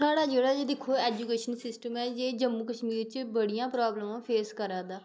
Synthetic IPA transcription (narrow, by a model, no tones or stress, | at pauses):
saːɽaːd͡ʒeːɽaːd͡ʒed̪ɪkʰːoːɛːd͡ʒuːkeːʃənsɪsʈəmɛːd͡ʒeːd͡ʒəmːuːkəʃmiːɾt͡ʃbəɽijãːpɾaːbləmãːpʰeːskəɾaːd̪aː